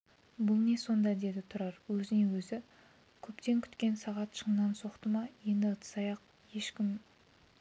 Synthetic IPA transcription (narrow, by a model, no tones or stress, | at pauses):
bʊlˠne̞so̞nd̪ɑd̪e̞d̪ɪt̪ʰʊɾɑɾwɵzɪne̞wɵzɪ | kʲʰɵpt̪e̞ŋkʲʰʏ̥t̪kʲe̞nsɑʁɑt̪ʃənnɑnso̞qt̪əmɑje̞nd̪ɪət̪ʰsɑjɑq̚ | je̞ʃkʲɪm